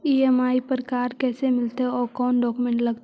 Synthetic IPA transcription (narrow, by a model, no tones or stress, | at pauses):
iːɛmaːipəɾkaːɾkɛːsemɪlt̪eɔːɾkɔːnɖɔːkumẽːɳʈlɐɡt̪